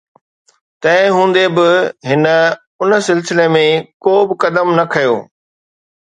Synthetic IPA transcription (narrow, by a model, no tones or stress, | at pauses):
t̪ɐ̃ɦɪ̃ɦũːn̆d̪ebɪɦɪnə̆ | ʊnə̆sɪlsɪlemẽkoːbɪkɐd̪əmnɐkʰɐjo̰ː